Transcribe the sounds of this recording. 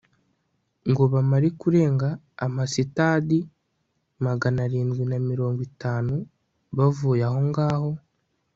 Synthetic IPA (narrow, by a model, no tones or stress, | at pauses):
ŋɡo̞βamaɾekuɾe̞ːŋɡaː | masitaːdi | maɡanaɾiːndɡwinamiɾo̞ːŋɡwitaːnu | βavuːjaɦo̞ŋɡaːho̞